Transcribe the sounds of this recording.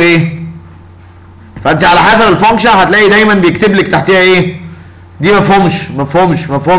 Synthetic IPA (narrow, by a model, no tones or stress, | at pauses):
ʔeː | fæʔent̪iʕalæħæːsævelfoŋʃæhæt̪læːʔid̪æjmænbejek̚t̪eblek̚t̪aħt̪iːhæʔeː | d̪iːmæfhumʃmæfhumʃmæfhu